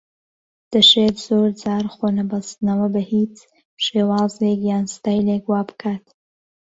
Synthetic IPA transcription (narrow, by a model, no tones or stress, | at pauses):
d̪̥ɐʃeːt̪zoːɾd͡zaːɾχonɐbɐst̪nɐwɐbɐhiːt͡s | pʃeːwɑːzekjaːnst̪aːjlekwaːbɨkʰaːt̪